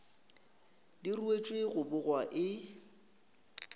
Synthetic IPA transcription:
diruet͡ʃʼweɣʊbʊɣwaʔɪ

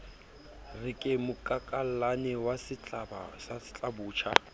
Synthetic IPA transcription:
rɪkʼɪmʊkʼakʼal̩lanɛwasɪt͡ɬʼaba̰sasɪ̥t͡ɬʼabuːt͡ʃʰa̰

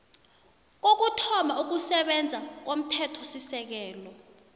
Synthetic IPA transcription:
k̬ok̬utʰɔmauk̬usɛɓɛnd͡zʱak̬om̩tʰɛtʰɔsisɛk̬ɛːlɔ

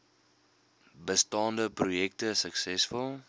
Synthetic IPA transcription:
bəstɑːndəprujɛk̚təsəksɛsfɔlˠ

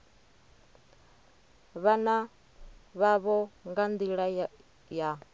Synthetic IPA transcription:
βana | βaβɔŋɡand̪iɺa | ja

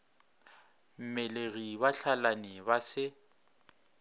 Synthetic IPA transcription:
m̩mɛleɣibaɬʰalanɪbasɪ

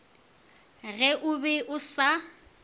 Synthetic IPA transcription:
ɣɛʔʊbɛʔʊsa

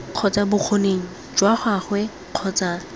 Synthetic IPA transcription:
q͡χʰɔt͡sʼabʊq͡χʰoneːŋ̩ | d͡ʒwaχaχwɛ | q͡χʰɔt͡sʼaː

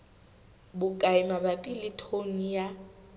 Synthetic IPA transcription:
bʊkʼaɪmabapʼilitʰonija

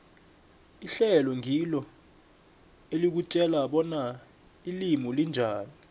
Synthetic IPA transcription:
iɬɛlɔŋʱilɔ | elik̬ut͡ʃʼɛlaɓɔna | ilimulind͡ʒʱaːni

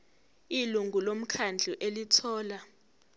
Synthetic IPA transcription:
iluŋɡʱulom̩kʰand͡ɮʱuʔelitʰɔːla

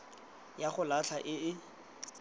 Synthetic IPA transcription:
jaχʊlat͡ɬʰaʔɪɪ

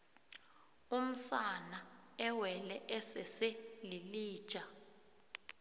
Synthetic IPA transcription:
um̩sanaɛwɛlɛʔɛsɛselili̥ːʒ̥ʼʱa

